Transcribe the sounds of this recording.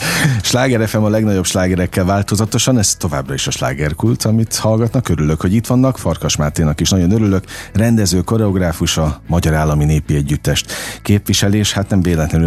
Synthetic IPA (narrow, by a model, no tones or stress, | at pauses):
ʃlaːɡɛɾɛfɛmɒlɛɡnɒɟo̞bʃlaːɡɛɾɛkːɛlvaːlt̪o̞zɒt̪o̞ʃɒnɛst̪ːo̞va̰ːbrɒiʃɒʃla̰ːɡɛrkult̪ʰɒmit̪hɒlɡɒt̪nɒkø̞ɾylø̞kho̞ɟit̪ʋɒnːɒkfɒrkɒʃmaːt̪eːnɒkiʃnɒɟo̞nøɾylø̞krɛnd̪ɛzøːko̞ɾɛo̞ɡraːfuʃɒmɒɟɒɾaːlːɒmineːpiɛɟːyt̪ːɛʃt̪keːpviʃɛleːʃhat̪nɛmveːd̪ɛt̪lɛny